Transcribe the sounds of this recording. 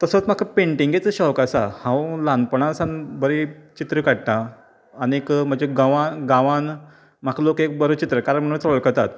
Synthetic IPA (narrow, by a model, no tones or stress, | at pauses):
t̪əsət͡sm̤akʰapẽɳʈiŋɡet͡səɕɔʋkasa̰hãwlãnpəɳãsãnbəɾit͡ɕit̪ɾəkaɽt̪ãː | niekm̤əd͡ʑeɡaʋãɡãʋãn | m̤akʰalokek̚bəɾət͡ɕit̪ɾəkaɾəɳm̤əɽũnt͡soɭkət̪at̪